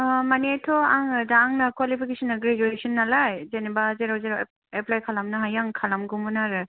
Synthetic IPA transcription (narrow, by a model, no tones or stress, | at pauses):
manetʰɔaŋɯdaŋnakwalipʰikesɔnːaɡɾed͡ʒuesɔnːalajzenebazeɾawzeɾa | eplajkʰalamnaɦajaŋkʰalamɡɔmɔnaɾɯ